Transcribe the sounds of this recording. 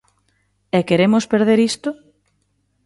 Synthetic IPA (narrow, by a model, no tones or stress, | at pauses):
ekeɾemʊspeɾðeɾist̪ʊ